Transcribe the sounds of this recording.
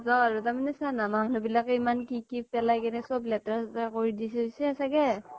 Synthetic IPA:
zawaɹutamanɛsanamaɦnɔbilakimankikipɛlajkɛnɛsɔblɛtɹastakoɹidis̬ɛɦojsɛasaɡɛ

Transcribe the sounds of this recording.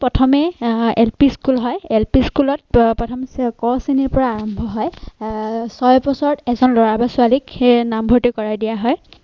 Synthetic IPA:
pɹɔtʰɔmɛɛlpiskulɦɔjɛlpiskulɔt̚pɔtʰɔmkɔsiniɹpɔɹaːɹɔmbʱɔɦɔj | sɔjbɔsɔɹɔtɛzɔnlɔɹabasʊaliknambʱotikɔɹajdijaɦɔj

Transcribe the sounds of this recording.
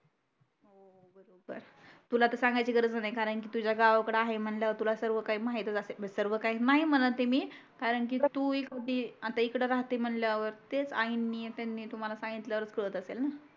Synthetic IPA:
o | bəɾobə̰ɾ | t̪ulat̪esãŋɡajt͡ɕiɡəɾət͡snaikaɾəɳk̬iːt̪ud͡ʑjaɡaʋkəɽeaɦem̤əɳljaʋəɾt̪ulasəɾʋəkaiːmaɦit̪ət͡səseəsəɾʋəkaɦinaɦim̤ənlat̪emiː | kaɾəɳk̬iːt̪uːekad̪ʱiːat̪aikɽəɾaɦt̪em̤əɳljaʋəɾt̪et͡sainːiet̪anːiːt̪um̤alasãŋɡit̪ljaɾət͡skɾəət̪əselna

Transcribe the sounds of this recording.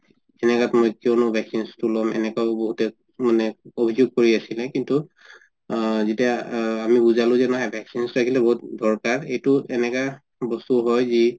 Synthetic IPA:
zɛnɛkatmojkiownʊbʱɛksinstulɔmɛ̰nɛkaʊboɦutɛ | manɛobʱizuɡ̚koɹiasilɛkintu | zetiaːmibuzalʊ̃zɛnaɦajbʱɛksinsɹakʰilɛboɦut̚dʱɔɹkaɹejtʊɛnɛka | bɔstuɦɔjzi

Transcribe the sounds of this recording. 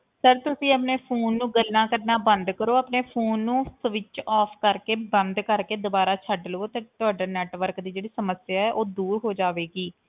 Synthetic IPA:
səɾt̪ʊsĩːəːpneːpʰoːnːũːɡəlːãːkəɾnaːbənd̪kəɾoːapneːpʰoːnːũːsʋɪt͡ʃɔːpʰkəɾkeːbənd̪kəɾkeːd̪ʊbaːɾaːt͡ʃʰəɖləoːt̪eːt̪ʊaːɖaːnɛːʈʋəɾkd̪iːd͡ʒeːɽiːsəməsɪjaːɛːʔoːd̪uːɾɦoːd͡ʒaːʋeːɡiː

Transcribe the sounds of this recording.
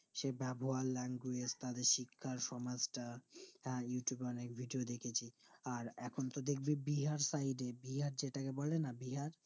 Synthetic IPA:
ʃebɛboɦalɛŋɡwed͡ʑt̪ad̪eɾʃikʰːaɾʃɔmad͡ʑʈaɦɛ̃juʈjubeɔnekbʱiɖiod̪ekʰet͡ɕʰiaɾɛkʰont̪od̪ek̚ʰbibiɦaɾsajɖebiɦaɾd͡ʑeʈakebɔlenabiɦaɾ

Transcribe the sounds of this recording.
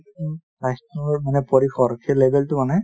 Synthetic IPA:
ajstɔŋɔɹmanɛpɔɹixɔɹkʰelebʱɛltʊmanɛ

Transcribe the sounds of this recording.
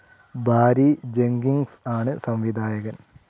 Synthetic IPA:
bʱaːɾid͡ʑeŋɡiŋsaːɳɨsɐmʋid̪ʱaːjɐɣɐn

